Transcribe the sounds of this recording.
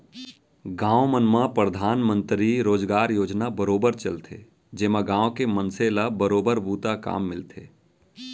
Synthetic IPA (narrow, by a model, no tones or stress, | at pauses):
ɡãːomənmãpɾəd̪ʱaːnmə̃nt̪ɾiɾoːd͡ʒɡaːɾjoːd͡ʒnabəɾoːbəɾt͡ʃəlt̪ʰḛː | d͡ʒeːmãɡãːokemənselabəɾoːbəɾbuːt̪aka̰ːmːɪlt̪ʰḛː